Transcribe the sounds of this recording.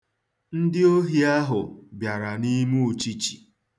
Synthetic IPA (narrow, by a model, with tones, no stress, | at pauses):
n̩˦dɪ˦o˦ɦi˦a˦ɦʊ˨bja˨ɾa˨ni˦mu˦o˨t͡ʃi˦t͡ʃi̥̰˨